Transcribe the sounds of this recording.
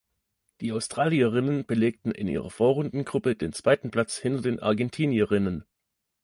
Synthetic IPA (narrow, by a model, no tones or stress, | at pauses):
d̥iːaʊstʁ̥aːliəʁɪnənb̥əleːk̚tn̩ʔɪ̰nʔḭːʁɐfoːɐʁʊndn̩ɡʁʊpədeːnt͡sv̥aɪtn̩pʰl̥at͡shɪntɐdeːnʔa̰ɐɡɛntʰiːniəʁɪnən